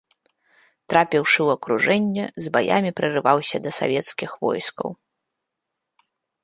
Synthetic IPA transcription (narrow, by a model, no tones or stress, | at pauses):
t̪ɾapʲiwʂɨwɐkɾuʐɛnʲːɛzbaja̰mʲipɾɨrɨvawsʲɐd̪ɐsa̰vʲɛt̪skʲixvɔ̰jskɐ̰w